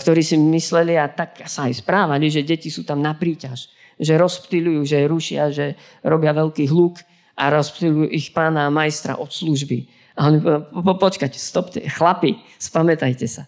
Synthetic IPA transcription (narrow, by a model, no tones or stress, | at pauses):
kt̪ɔɾiːsimislɛliat̪aksaːjspɾaːʋaliʒɛɟɛcisuːt̪amnapɾiːcaʒ | ʒɛɾɔspt̪ilujuːʒɛɾuʃɪaʒɛ | ɾɔbɪaʋɛlkiːɦluk | ʔaɾɔspt̪ilujuːʔixpaːnaːmajst̪ɾa̰ʔɔt̪sluʒbi | aɔɲippɔt͡ʃkacɛ̥st̪ɔpcɛ̰xlapi | spamɛt̪ajcɛsa